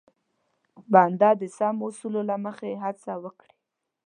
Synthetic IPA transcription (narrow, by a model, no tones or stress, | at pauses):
band̪ɑd̪əsamosulolaməxaeɦat͡sawəkɽi̥